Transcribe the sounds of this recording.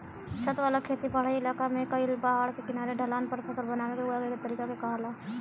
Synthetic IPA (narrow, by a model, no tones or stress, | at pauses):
t͡ʃʰət̪ʋalakʰeːt̪ipaːɽaːiɪlaːkamẽkaiɪlbaɦaːɭkekɪnaːɾeɖɐlaːnpɐɾpʰəsəlbənaːnebeɦojaɡeet̪əɾiːkakekaːlaː